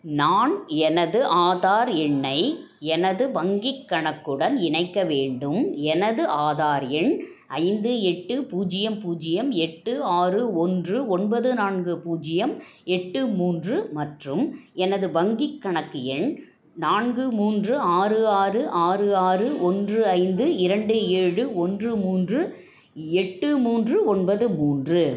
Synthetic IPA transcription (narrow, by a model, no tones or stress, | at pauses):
naːnɛnɐðɯʔaːðaːɾɛɳːɐɪ | ɛnɐðɯʋɐŋɡɪkːɐɳɐkːɯɽɐnɪɳɐɪkːɐʋeːɳɖɯmɛnɐðɯʔaːðaːɾɛɳ | ʔɐɪnd̪ɯɛʈːɯpuːd͡ʒɪjɐmpuːd͡ʒɪjɐmɛʈːɯaːrɯɔndrɯɔnbɐðɯnaːɳɡɯpuːd͡ʒɪjɐm | ɛʈːɯmuːndrɯmɐʈrɯmɛnɐðɯʋɐŋɡɪkːɐɳɐkːɪjɐɳ | naːɳɡɯmuːndrɯaːrɯaːrɯʔaːrɯaːrɯʔɔndrɯɐɪnd̪ɯɪɾɐɳɖɯeːɻɯɔndrɯmuːndrɯ | ɛʈːɯmuːndrɯɔnbɐðɯmuːndrɯ